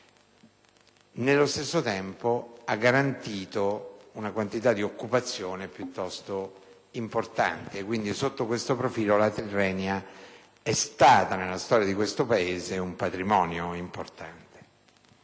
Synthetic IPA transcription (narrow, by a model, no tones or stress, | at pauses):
nelːost̪esːot̪ɛmpoaɡːaɾant̪iːt̪ounakwant̪it̪ad̪ːiokːupat̪sːjoːnepjut̪ːɔst̪o | import̪a̰nt̪eːkːwind̪isot̪ːokwest̪opɾofiːlolat̪erːɛːnja | ɛst̪aːt̪anelːast̪ɔːɾjad̪ikwest̪opaeːzeumpat̪ɾimɔːnjoimport̪ant̪e̥